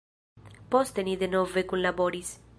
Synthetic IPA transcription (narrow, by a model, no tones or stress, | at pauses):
pɔst̪eniðenɔvekunlabɔɾis